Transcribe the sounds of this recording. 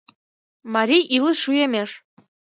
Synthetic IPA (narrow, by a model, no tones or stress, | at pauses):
mɑɾʲijʔilˠəʃujemʲeʃ